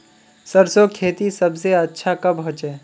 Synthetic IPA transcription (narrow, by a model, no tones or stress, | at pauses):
sɐɾsokʰeːt̪isɐbseɐtːʃʰakɐbɦʊ̃t͡ʃeː